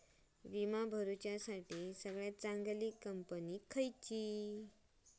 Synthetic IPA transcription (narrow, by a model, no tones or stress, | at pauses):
ʋimabʱəɾut͡ɕjasaʈiːsəɡɭjat͡sãŋɡliːkəmpənikʰəjt͡ɕi